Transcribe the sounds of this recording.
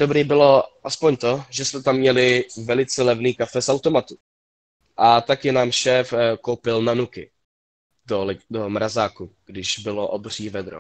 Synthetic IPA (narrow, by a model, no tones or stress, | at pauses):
dobɾiːbɪlo̞ʔaspoɲt̪o̞ʒɛsmɛt̪amːɲɛlɪvɛlɪt͡sɛlɛvniːkafɛsawt̪o̞mat̪u | ʔat̪akɪnaːmʃɛːfko̞wpɪlnanukɪ | doldomɾazaːkuɡ̥dɪʒbɪloʔobr̝iːvɛd̪ɾo̰